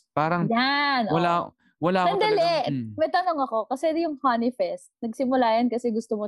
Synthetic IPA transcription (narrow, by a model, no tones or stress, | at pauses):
paːɾɐŋjanʔowɐla | wɐlaːnɐnd̪ɐlɛʔmɐjt̪ɐnoŋɐko̞kɐsɛjʊŋhanɪfɛst̪nɐɡsɪmʊlaːjɐnkɐsɛɡʊst̪omo